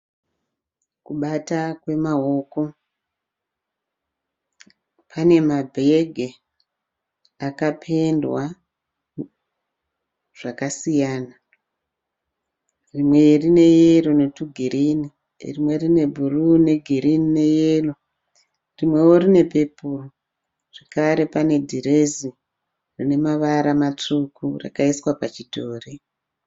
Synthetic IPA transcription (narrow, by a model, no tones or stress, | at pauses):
kuɓatakwe̞mao̞ko̞ | pʰane̞mabʱeɡʱe | akapʰe̞ndwa | ʐ̥akasijaːna | rimwe̞rine̞jerone̞tuɡʱiɾini | rimwe̞rine̞bʱurune̞ɡʱiɾinine̞jelo | rimwe̞woɾine̞pe̞puro | ʐ̥ekaɾe̞pane̞dʱiɾezi | rine̞maʋaɾamat͡ʂukura̰kaiswapat͡ʃitʰoːre